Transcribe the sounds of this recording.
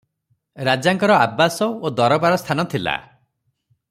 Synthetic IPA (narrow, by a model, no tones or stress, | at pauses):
ɾad͡ʒaŋkɔɾɔabːasɔod̪ɔɾɔbaɾɔst̪ʰanɔt̪ʰila̰